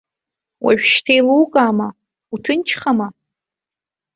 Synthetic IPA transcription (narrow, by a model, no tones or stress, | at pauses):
wʔa̰ɥᶣʃtʰejluːkʼaːma | utʰɨnt͡ʃʰχama